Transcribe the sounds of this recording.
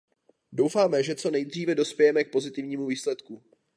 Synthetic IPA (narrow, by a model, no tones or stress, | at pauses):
do̞wfaːmɛʒɛt͡so̞nɛjd̪r̝iːvɛdo̞spʲjɛjɛmɛk̚po̞zɪt̪ɪvɲiːmuviːslɛt̪ku